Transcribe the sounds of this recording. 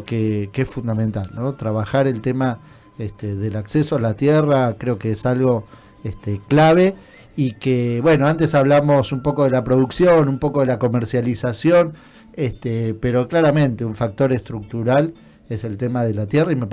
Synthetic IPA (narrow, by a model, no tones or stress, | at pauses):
kekeesfund̪ament̪alnot̪ɾaβaxaɾe̞lt̪ema | est̪eðelaksesoalat̪jerakɾeo̞keesalɣo̞ | eht̪eklaβ̞e | ikeβwe̞no̞ant̪e̞saβlamo̞sumpo̞ko̞ðelapɾoðuksjonumpo̞ko̞ðelako̞meɾsjalisasjo̞n | est̪epeɾo̞klaɾamẽnt̪euɱfak̚t̪o̞ɾest̪ɾuk̚t̪uɾal | eselt̪emaðelat̪jeraimep